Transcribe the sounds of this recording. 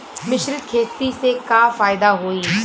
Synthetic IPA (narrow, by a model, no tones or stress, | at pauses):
mɪʃɾɪd̪kʰeːt̪iːsekaːfaːɪd̪aːɦoːiː